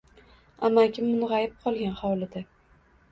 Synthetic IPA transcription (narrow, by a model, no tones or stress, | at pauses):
amakʲʰɪmmʊnʁɑjɪp̚qʰɒlˠɡʲanχɒwlˠɪd̪a